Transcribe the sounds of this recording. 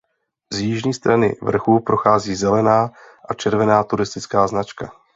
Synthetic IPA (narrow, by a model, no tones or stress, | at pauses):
zjɪʒɲiːst̪ɾanɪ̰vr̩xuːpɾo̞xaːziːzɛlɛnaː | ʔat͡ʃɛɾvɛnaːt̪uɾɪst̪ɪt͡skaːznat͡ʃka